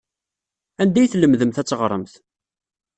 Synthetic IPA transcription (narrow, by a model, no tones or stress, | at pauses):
ænd̪æjθləmðəmθæt͡sːʁɾˤəmθ